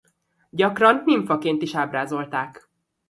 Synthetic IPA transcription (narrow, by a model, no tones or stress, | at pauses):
ɟɒkrɒnmiɱfɒkeːnt̪iʃaːbraːzo̞lt̪aːk